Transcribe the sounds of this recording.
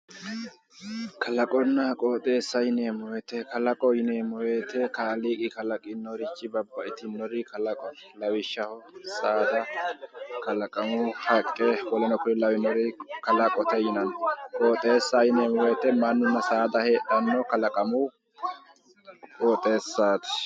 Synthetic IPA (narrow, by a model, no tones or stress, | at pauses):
kɐlɐkʼɔnːɐkʼoːt̪ʼːe̞ːsːɐjɪneːmɔwɛt̪ɛkɐlɐkʼɔjɪneːmɔweːt̪ɛkaːliːkʼɪkɐlɐkʼɪnːɔɾɪt͡ʃːɪbɐbːɐʔɪt̪ɪnːɔɾɪkʰɐlɐkʼɔnlɐwɪʃːɐhɔsaːd̪ɐ | kɐlɐkʼɐmʊhɐkʼːɛwɔlɛnɔkʊɾɪlɐwɪnɔɾɪkɐlɐkʼɔt̪ɛjɪnɐnkʼoːt̪ʼe̞ːsːajɪneːmɔwet̪ɛmɐnːʊnːɐsaːd̪ɐheːᶑɐnːɔkɐlɐkʼɐmʊ | kʼoːt̪ʼe̞ːsːaːt̪ɛ̥